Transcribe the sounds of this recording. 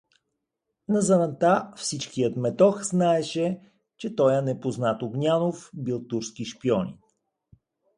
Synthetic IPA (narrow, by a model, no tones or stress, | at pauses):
nɐzɐnɐt̪afsit͡ʃkijət̪mɛt̪ɔxznaɛʃɛ | t͡ʃɛt̪ɔjɐnɛpoznat̪oɡnʲanofbilˠt̪uɾskiʃpiɔnʲḭ